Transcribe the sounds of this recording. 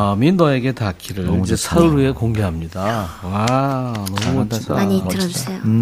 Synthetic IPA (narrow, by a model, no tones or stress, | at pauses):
ʌmindʌe̞ɡe̞takʰiɾɯɭid͡ʑesʰaɯɾue̞koŋɡeɦamɲidawanʌmuataaɲieo